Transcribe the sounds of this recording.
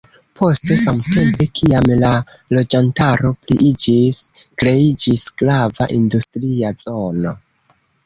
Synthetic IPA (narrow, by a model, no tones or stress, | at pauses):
pʰo̞ste̞samte̞mpe̞kʰiamla | lo̞d͡ʒantaɾo̞pliʔid͡ʒiskɾe̞id͡ʒisɡ̥lava̰ʔindustɾiazo̞no̞